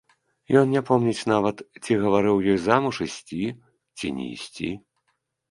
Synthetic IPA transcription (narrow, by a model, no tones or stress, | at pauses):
jɔnnʲapɔmnʲɛt͡sʲnavɐt̪t͡sʲiɣɐvaɾɨwjɔjzamuʂisʲt͡sʲi | t͡sʲḭnʲɛ̰ḭsʲt͡sʲḭ